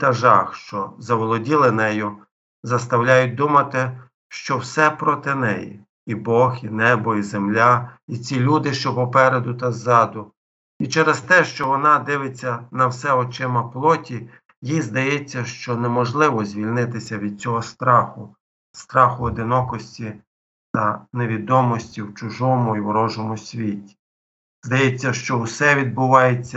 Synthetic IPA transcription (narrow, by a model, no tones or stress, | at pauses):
t̪ɐʒɑxʃt͡ʃɔzɐʋɔlˠɔdʲilˠɪnɛjʊ | zɐst̪ɐwlʲajʊt̚ʲd̪umɐt̪ɪ | ʃt͡ʃɔwsɛpɾɔt̪ɪnɛ̰jḭ | ibɔxinɛbɔizemlʲait͡sʲilʲud̪ɪʃt͡ʃɔɦɔpɛɾed̪ʊt̪ɐzːɑd̪ʊ | it͡ʃɛɾest̪ɛʃt͡ʃɔʋɔnɑd̪ɪʋɪt͡sʲːɐnɐwsɛɔt͡ʃɪmɐplˠɔtʲi | jizd̪ɐjɛt͡sʲːɐʃt͡ʃɔnemɔʒlˠɪʋɔzʲʋʲilʲnɪt̪ɪsʲɐʋʲid̪̥̚t͡sʲɔɦɔst̪ɾɑxʊ | st̪ɾɑxʊɔd̪ɪnɔkɔsʲtʲi | t̪ɐne̞ʋʲid̪ɔmɔsʲtʲiwt͡ʃʊʒɔmʊiwɾɔʒɔmʊsʲʋʲitʲi̥ | zd̪ɐjɛt͡sʲːɐʃt͡ʃɔʊsɛʋʲid̪̚bʊʋɑjet͡sʲːɐ